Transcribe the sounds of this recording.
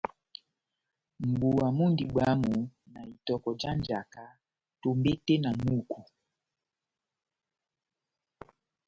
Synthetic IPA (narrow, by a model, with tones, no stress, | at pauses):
m̩˨bu˨wa˨mu˦ndi˨ɡ͡bwa˦mu˨na˨i˨tɔ˨kɔ˨d͡ʒa˦nd͡ʒa˨ka˦ | to˨mbe˦tɛ˦na˨mu˦˨kʰu˨